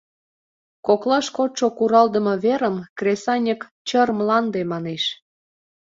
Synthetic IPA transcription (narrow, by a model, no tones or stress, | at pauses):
koklɑʃkot̪ʃokuɾɑld̪ə̆mɤ̆βeɾəmkresɑnʲək | t͡ɕərmlɑnd̪emɑneʃ